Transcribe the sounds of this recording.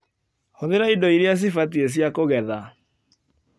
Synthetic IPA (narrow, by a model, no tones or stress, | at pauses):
hoðeɾaidɔiɾeas̬ifaties̬jakoɣɛða